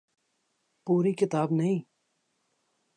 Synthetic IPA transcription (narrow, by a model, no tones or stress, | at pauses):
puːɾikɪt̪aːbnɐɦĩː